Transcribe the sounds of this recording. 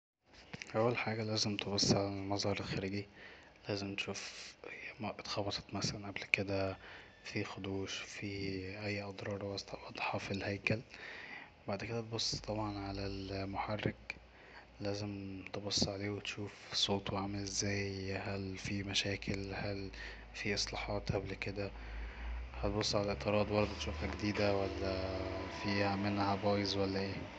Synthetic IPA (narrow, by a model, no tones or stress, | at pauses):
ʔæwːælħaːɡælæːzemt̪ebɑsˤːʕalælmɑzˤhɑɾˤelxæɾiːɡi | læːzemt̪e̥ʃuːf | t̪xɑbɑt̪ˤɑ̥t̪mæsælænʔæblked̪æ | fixod̪uːʃfiʔæjːʔɑd̪ˤɾˤɑːɾˤwɑst̪wʔɑd̪ˤħɑfilhæjkæl | baʕd̪ked̪æt̪̚bosˤːt̪ˤɑbʕɑnʕalælmoħarːek | læːzemt̪ebosˤːʕaleːwet̪ʃuːfsˤoːt̪ˤweʕamælezːæːjhælfimæʃæːkʰelhæl | fiʔesˤlɑːħɑːt̪ˤʔæblːked̪æ | hæt̪bosˤːʕalæʔeʔt̪ːeɾˤɑːd̪ˤwɑɾˤɑd̪et̪ʃoɾʔæɡed̪iːd̪æwælːæfiːhæmenːhæbɑːjezwælːæʔeː